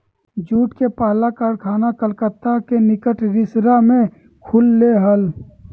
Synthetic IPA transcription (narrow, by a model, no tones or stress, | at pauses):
d͡ʒuːʈkepaːlakəɾkʰaːnakəlkət̪akenɪkəʈɾɪsɾamẽ | kʰʊlːeɦəl